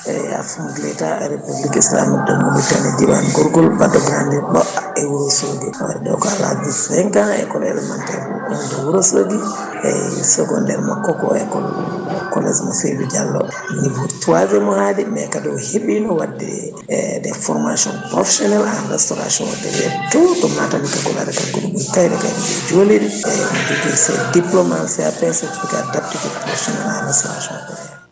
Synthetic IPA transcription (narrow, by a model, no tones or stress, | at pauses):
ɛa̰fuŋɡlɛtaɛɾepublikisla̰mɛdɔmunitanɛdibanɡuɾɡɔlbadɔɡɾandiɾɗɔʔaɛwuɾosoɡiwaddɔkala̰disɛŋkanɛ̰kɔlɛlmantɛuandɛwuɾosoːɡi | ɛsɔɡɔndɛɾmakːɔkɔɛkɔ | kɔlazmafebid͡ʒalːɔ̰ | nibutuwavɛmɔhadimɛkadɔwheɓinɔwadːɛ | dɛfɔɾmasiɔnpɾɔfɛsɔnalarɛstɔɾa̰sɔnwadːɛdɛtɔtɔmatanikaɡɔla̰ɾɛkaɡulubutajdɛkajnɛd͡ʒolidiɛmidudisadiplɔmansɛpɛsɛtikadap̚tikalpɾɔfɛsɔnalarɛstɔɾa̰sɔnkɔɛl